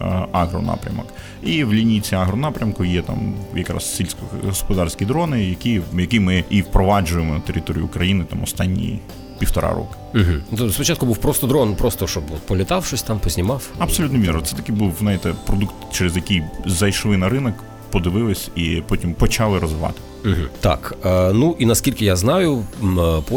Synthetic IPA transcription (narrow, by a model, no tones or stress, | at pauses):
ɑɦɾɔ̰nɑ̰pɾʲɐ̰mɔ̰k | iwlʲinʲit͡sʲiaɦɾɔnɑpɾʲɐmkʊjɛt̪ɑ̰mjɐkɾɑ̰ssʲilʲsʲkɔɦɔspɔd̪ɑrsʲkʲijd̪ɾɔnɪjɐkijɐkɪjmɪʔiwpɾɔʋɑd͡ʒʊjemɔnɐt̪eɾʲɪt̪ɔɾʲḭjʊ̰ːkɾɐjinɪt̪ɑmɔst̪ɑnʲːḭ | pʲiwt̪ɔɾɑ̰ɾɔ̰kɪ̥ɦ̩t̪spɔt͡ʃɑt̪kʊbuwpɾɔst̪ɔd̪ɾɔnpɾɔst̪ɔʃɔbɔt̪pɔlʲɪt̪ɑwʃɔsʲt̪ɑmpɔzʲnʲɪmɑwɐbsɔlʲut̪nɔʋʲinɾɔt̪sɛt̪ɐkɪbuwznɑjt̪ɛpɾɔd̪ukt̪t͡ʃɛɾɛzjɐkijzɐjʃlˠɪnɐɾɪnɔk | pɔd̪ɪʋɪlˠɪsʲipɔtʲimpɔt͡ʃɑlˠɪɾɔzʋɪʋɑ̰t̪ɪ̥ɦ̩t̪ɑ̰kːnuʔinɐskʲilʲkɪjaznɑjʊpɔ